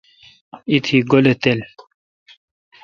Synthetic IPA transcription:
it̪ʰiɡolet̪el

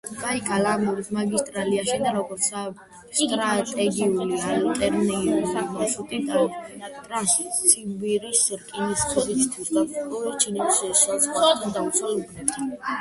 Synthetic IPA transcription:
ɡaikʼalamuɾismaɡist̪ʼɾaliaʃid̪aɾɔɡɔɾt̪sʰa | st̪ʼɾat̪ʼɛɡiulialt̪ʼɛɾnɛiisamaʃut̪ʼit̪ʼaɔbnat̪ʼɾasʰibiɾisɾkʼiniskʰɛɾisʰt̪ʰwisd̪aɔɛt͡ʃʰinɛʃɛʃalsad̪d̪at̪sʼɛlubnɛt̪ʰ

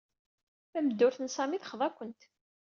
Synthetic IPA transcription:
θæməd̪ːʊɾθənsˤɑmiθχəðˤækʷːənt̪

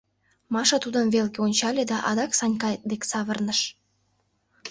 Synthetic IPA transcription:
mɑʃɑt̪ud̪ənβelɡeonʲt͡ɕɑlʲed̪ɑʔɑd̪ɑksɑnʲkɑjd̪eksɑβərnəʃ

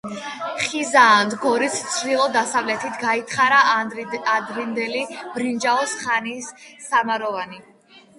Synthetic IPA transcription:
χizaːnd̪ɡɔɾit̪st̪sʰɾilˠɔd̪asavlɛt̪ʰit̪ʰɡait̪ʰχaɾaad̪ɾind̪ɛlib̥ɾind͡ʒaɔsχanisːamaɾɔvani

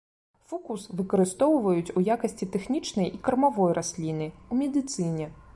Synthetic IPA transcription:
fukusvɨkɐɾɨst̪ɔwvɐjut͡sʲujakɐsʲt͡sʲit̪ɛxnʲit͡ʂnɐjʔikɐrmavɔjrʔasʲlʲinɨumʲɛd̪ɨt̪sɨnʲɛ

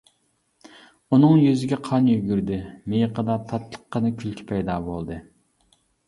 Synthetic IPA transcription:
unɨŋjyzɪɡʲɛqʰɑnjyɡʲyɾd̪ɪmejəqʰəd̪ɑt̪ʰɑt̪lˠə̥qːɑnɨkʲʰylkʲʰi̥pʰɛjd̪ɑːbolˠd̪ɨ

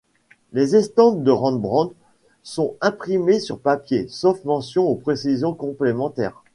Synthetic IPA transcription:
lezɛst̪ɑ̃d̪d̪əʁɑ̃d̪bʁɑ̃d̪ | sɔ̃ɛ̃pχimesyʁpapjesofmɑ̃sjɔ̃opχesizjɔ̃kɔ̃plemɑ̃t̪ɛ̰ːʁ

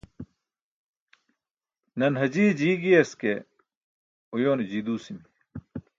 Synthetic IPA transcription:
nɐnɦɐd͡ʑiːd͡ʑiːɡijɐske | ujoːnd͡ʑiːd̪uːsimi

